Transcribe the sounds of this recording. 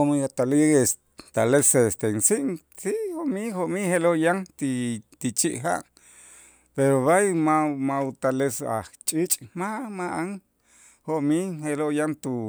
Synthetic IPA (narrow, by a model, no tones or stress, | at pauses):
oʔmiat̪alies | t̪alesest̪ensiʔŋ | sihoʔmihoʔmiheloʔjaŋt̪it̪it͡ʃiʔɦa̰ʔ | peɾoβajmamaut̪alesa̰ht͡ʃʼit͡ʃʼmamaʔaŋ | hoʔmiheloʔjant̪u